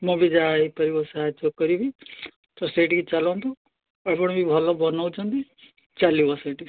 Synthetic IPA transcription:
mɔ̃bid͡ʒaɦipɔɾibɔsaɦad͡ʒɔkɔɾibi | t̪ɔsʈeʈiɡit͡ʃalɔnt̪ɔ | ɔpɔɽɔbibʱɔlɔbɔnɔwt͡ʃʰɔnt̪i | t͡ʃalibɔseʈi

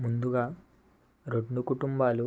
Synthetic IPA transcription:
mund̪uɡa | ɾoʈnukuʈumbalu

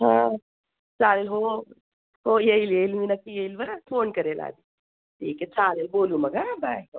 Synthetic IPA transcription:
ɦã | t͡ʃaːlelɦoː | hojeiljeilminɐkijeilbɐnapʰoːnkɐɾela̰ːd̪i | ʈʰiːket͡ʃaːlelboːlũmɐɡabaːj

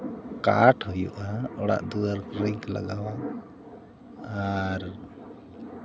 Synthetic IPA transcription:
ka̰ʈhɔjṵʔaɔɽa̰ʔd̪uaɾɾiŋkla̰ɡawaʔ | aɾ

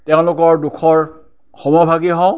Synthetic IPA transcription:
tɛʊ̃lʊkɔɹdukʰɔɹ | xɔmɔbʱaɡiɦɔ̃

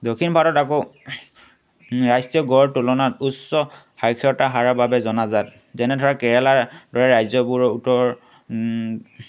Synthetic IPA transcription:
dokʰinbʱaɾɔtako | ɹajstjɔɡɔɹtulɔnatusːɔ | hajkʰiɔtaɦaɹababɛzɔnazat̚ | zɛnɛdʱɔɹakɛɹalaɹdɔɹɛɹajzɔbuɹɔutɔɹ

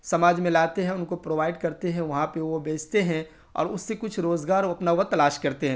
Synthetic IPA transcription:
sɐmaːd͡ʒmẽlaːt̪eɦɛ̃ʊnkopɾoːʋaːɪɖkɐɾt̪eɦɛ̃ʋɐɦãpeʋobeːt͡ʃʰt̪eɦɛ̃ | ɔ̰ːɾʊsːekʊt͡ʃʰɾoːzɡaːɾoɐpnaʋət̪ɐlaːʃkɐɾt̪eɦɛ̃

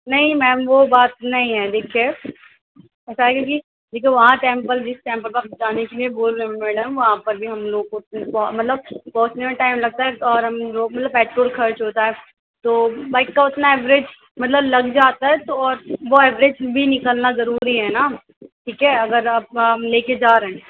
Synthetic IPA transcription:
nɐɦĩmɛ̃ːmʋobaːt̪̚nɐɦĩɦɛd̪eːkʰie | ɛːsaɦɛkoki | d̪eːkʰieʋɐɦãʈɛ̃ːmpəld͡ʒɪsʈɛ̃ːmpəlkad͡ʒaːnekelieboːlmemɪʈmɛ̃ːɖə̃ʋɐɦãpɐɾbʱiɦɐmloːɡ̚kːt̪̚npɔmɐt̪ləb̚pɔːʊt͡ʃnemẽʈaːɪmlɐɡ̚t̪aɦɛt̪ɔːɾɦɐmd͡ʒomɐt̪ləbpɛːʈɾoːlkʰɐɾt͡ʃɦoːt̪aɦɛ | t̪oːbaːɪkkaʊt̪naɛːʋɾed͡ʒ | mɐt̪ləblɐɡd͡ʒaːt̪aɦɛt̪oɔːɾʋoɛːʋɾed͡ʒbʱinɪkəlnazɐɾuːɾiɦɛːna | ʈʰiːkɦɛɐɡəɾɐb̚leːked͡ʒaːɾeɦɛ̃

